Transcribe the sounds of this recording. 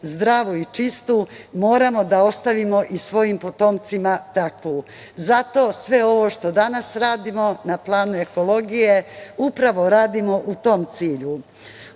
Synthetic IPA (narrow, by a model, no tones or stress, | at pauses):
zd̪ɾaːʋoit͡ʃist̪umo̞ːɾamo̞d̪ao̞st̪aʋimo̞ʔisʋo̞jimpo̞t̪o̞mt̪simat̪akʋu | zat̪oːsʋe̞o̞ʋo̞ʃt̪o̞d̪anasɾaːd̪imo̞naplˠaːnue̞ko̞lo̞ɡije̞upɾaʋo̞ɾaːd̪imo̞ʔut̪o̞mt̪siːʎu